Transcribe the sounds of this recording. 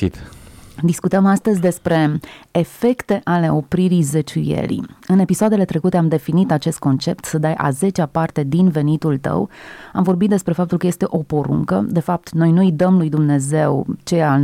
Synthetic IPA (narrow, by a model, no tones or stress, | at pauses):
it̪d̪iskut̪əmast̪əzʲd̪e̞spɾe̞ːfe̞kt̪e̞ʔale̞o̞pɾiɾijzet͡ʃujḛlḭɨne̞pisoad̪e̞le̞t̪ɾe̞kut̪e̞amd̪e̞finit̪at͡ʃe̞st̪̚ko̞nt͡ʃe̞pt̪səd̪ajʔa̰ze̞t͡ʃeapart̪e̞d̪inve̞nit̪ult̪ə̰wamvo̞rbit̪̚d̪e̞spɾe̞fap̚t̪ulkəje̞st̪e̞ʔo̞po̞ɾṵŋkə̰d̪e̞fap̚t̪no̞jnuid̪əmlujd̪umne̞ze̞wt͡ʃeja